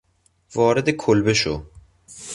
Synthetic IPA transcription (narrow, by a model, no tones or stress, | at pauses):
vɒːɾed̪ekʰolbeʃo